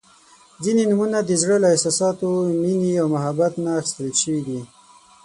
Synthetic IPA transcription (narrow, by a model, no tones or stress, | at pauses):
zinenumunad̪əzɽəlaɪsɑsɑt̪ominiawmaɦabat̪naːxɪ̥st̪əlʃəwid̪i